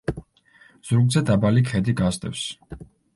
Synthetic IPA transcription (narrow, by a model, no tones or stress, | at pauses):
z̥uɾɡ̪zɛd̪abalikʰɛd̪iɡazd̪ɛ̰fs